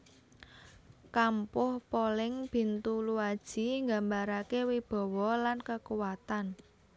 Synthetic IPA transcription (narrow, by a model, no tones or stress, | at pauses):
kampʊhpolɪŋb̥i̤nt̪uluad̥ʒ̥i̤ŋɡambaɾakewib̥ɔ̤wɔlankəkuwat̪an